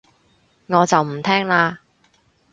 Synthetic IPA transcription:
ŋɔː˨˧t͡sɐ˨wm̩˨˩t̪ʰɛː˥ŋlaː˧

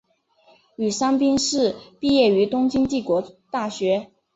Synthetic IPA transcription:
y˨˩ʂa˥ŋpi˥ŋʂɻ̩˥˧pi˥˧jɛ˥˩y˧˥t̪ʊ˥ŋt͡ɕi˥ŋt͡ɕi˥˩kwɔ˧˥t̪a˥˩ɕɥɛ˧˥

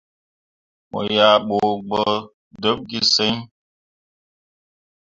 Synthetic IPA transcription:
mo̰˨ja˨ɓo˨ɡ͡bə˦ | də˦p̚ɡi˦se˦ɲ

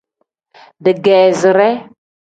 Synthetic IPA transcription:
də˨ɡe˨zə˨ɾe˦

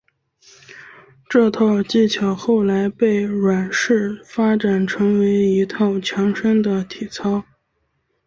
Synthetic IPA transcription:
ʈ͡ʂɤ˥˧t̪ʰɑ˥˧ʊt͡ɕi˥˩t͡ɕʰjɑ˨˧˩ʊxo˥˩ʊla˧˥ɪpe˥˩ɪɻwa˨˩nʂɻ̩˥˩fa˥ʈ͡ʂa˨˩nʈ͡ʂʰɤ˧˥ŋwe˧˥ɪi˧˥t̪ʰɑ˥˩ʊt͡ɕʰjɑ˧˥ŋʂə˥ŋd̪ə˨t̪ʰi˨˩t͡sʰɑ˥ʊ

